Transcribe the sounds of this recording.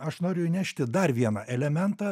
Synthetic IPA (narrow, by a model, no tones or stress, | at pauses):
ɐʃnoːɾʲʊjʊnʲæʃʲt̪ʲɪd̪ɐrʋʲiɛnɑʔɛlʲɛmʲɛnt̪ɑː